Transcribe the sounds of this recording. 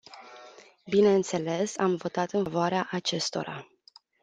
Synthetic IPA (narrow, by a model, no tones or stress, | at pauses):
bine̞ɨnt̪se̞le̞samvo̞t̪at̪ɨnvoaɾeaʔat͡ʃe̞st̪o̞̰ɾa̰